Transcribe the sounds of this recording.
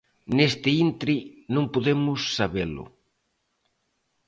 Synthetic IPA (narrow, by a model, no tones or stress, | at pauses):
nest̪ɪint̪ɾinõŋpoðemʊsːaβelʊ̰